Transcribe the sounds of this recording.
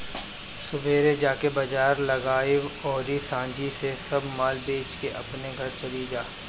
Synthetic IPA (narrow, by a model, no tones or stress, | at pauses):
sʊbʱeːɾed͡ʒaːkebɐd͡ʒaːɾlɐɡaːiɔːɾisãːɲd͡ʒisesɐbmaːlbeːt͡ʃkeʔɐ̰pneɡʱɐɾt͡ʃɐlid͡ʒaː